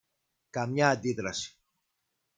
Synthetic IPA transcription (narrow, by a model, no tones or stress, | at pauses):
kamɲaːd̪iðɾasi̥